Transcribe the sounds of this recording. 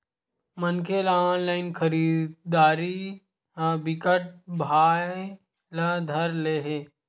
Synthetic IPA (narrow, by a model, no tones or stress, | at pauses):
mənkelaɔːnlaːɪnkʰəɾiːdd̪aːɾi | bɪkəʈ̚bʱaː | lad̪ʱɐɾleːɦeː